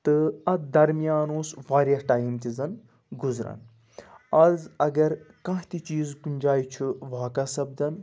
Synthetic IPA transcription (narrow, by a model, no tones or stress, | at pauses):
t̪ɨɐt̪d̪ɐɾmijaːnoːsʋaːɾjɐʈaːjmt̪izɐn | ɡuzɾɐ̰n | ɐzɐɡɐɾkɐ̃ɦt̪it͡ʃiːzkunʲd͡ʒaːit͡ʃʰuʋaːkɐsɐbd̪ɐn